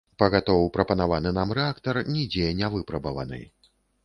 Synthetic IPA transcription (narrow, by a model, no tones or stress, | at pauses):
pɐɣat̪ɔvwpɾɐpɐnavanɨnamɾɛakt̪ɐrnʲid͡zʲɛnʲavɨpɾɐbɐvɐ̰nɨ̰j